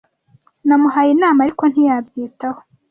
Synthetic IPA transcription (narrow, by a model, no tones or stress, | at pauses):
namuhajinaːmaɾiko̞n̥hijabɟiːtaho